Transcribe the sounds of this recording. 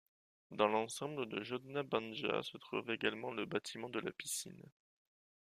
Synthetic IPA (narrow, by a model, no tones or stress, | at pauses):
d̪ɑ̃lɑ̃sɑ̃bləd̪əʒɔd̪nabɑ̃nʒa̰sət̪χṵveɡalmɑ̃ləbat̪ʰimɑ̃d̪əla̰pisḭn